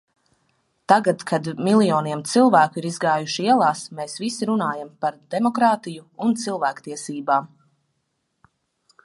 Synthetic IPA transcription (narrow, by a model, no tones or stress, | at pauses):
t̪aɡat̪kʰad̪milˠjɔːniɛmt̪silˠvæːkuiɾizɡaːjuʃiiɛlˠaːsmeːsvisiɾunaːjampaɾd̪̥emɔkɾaːt̪ijuunt̪silˠvæːkt̪iɛsiːbaːm